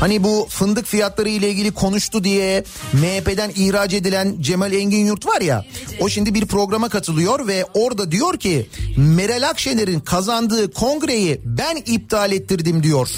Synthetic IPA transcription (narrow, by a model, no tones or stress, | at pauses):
hanibufɯnd̪ɯkfijat̪lˠaɾɯjlʲˠailʲɟʲilʲikʰo̞nuʃt̪ʰud̪ijɛ | mepe̞d̪ænihɾad͡ʒe̞d̪ilʲænd͡ʒe̞malʲɛɲɟinjuɾt̪vaɾja̰o̞ʃimd̪ibiɾpɾo̞ɡɾamakʰat̪ʰɯlˠɯjo̞ɾvɛo̞ɾd̪ad̪ijo̞ɾcʰime̞ɾelʲakʃelʲeɾinkʰazand̪ɯːkʰo̞ŋɡɾe̞jibænib̚t̪ʰaːlʲet̪ʰːiɾd̪imd̪ijo̞ɾ̥